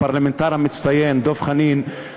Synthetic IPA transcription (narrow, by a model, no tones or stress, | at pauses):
paɾlamɛnt̪aːɾamːɪt̪st̪ajɛːnd̪oːfχaniːn